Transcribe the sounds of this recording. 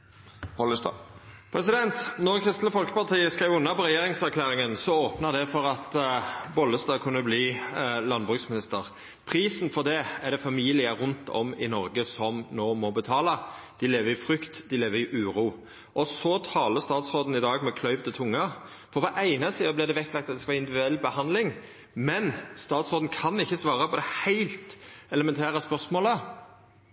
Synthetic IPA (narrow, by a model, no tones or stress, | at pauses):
bɔlpʰɾɛsɪd̪ɛnt̪nɔʁkʰʁɪst̪ləfɔlkə̥pɑʁt̪ʰiːəskʁæɪʋʉnːɑpɔʁɛjeːɾɪŋsæʁkʰlæːʁɪŋənsɔoːpnɑd̪ɛfɔʁɑt̪bɔlːəst̪ɑːkʰʉnːəbliːlɑnbʁʉːksmɪnɪst̪əʁ | pʰʁiːsn̩fɔʁd̪ɛæd̪ɛfɑmiːlɪəɾʊnt̪ʰɔ̰mɪ̰nɔɾɡəsɔmnoːmɔbət̪ʰɑːlɑ | d̪̥ɪleːʋəɾɪfʁʏkt̪d̪ɪleːʋəɾɪʔʉːɾuː | ʔɔsɔt̪ʰɑːləst̪ɑːt̪sʁoːd̪n̩ɪd̪ɑːɡmɛkʰlœʏʋt̪ɪt̪ʰʊŋːə | fɔʁʋɑːʔæɪnɑsiːəblɪʁd̪ɛʋɛkːlɑkt̪ɑt̪d̪ɛskɑʋɑːɪnd̪ɪʋɪd̪ʉɛlːbəhɑnd̪lɪŋ | mɛnst̪ɑːt̪sʁoːd̪n̩kʰɑnɪçːəsʋɑːʁəpɔd̪ɛhæɪlt̪ɛləmɛnt̪ʰæːʁəspœʁsmoːlə